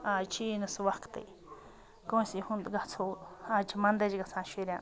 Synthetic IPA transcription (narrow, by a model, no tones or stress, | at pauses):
at͡ʃʰinũsuwakt̪ḛ | kõsihũnd̪ɡat͡sʰoat͡ʃimãnd̪et͡ʃiɡasãʃiɾjã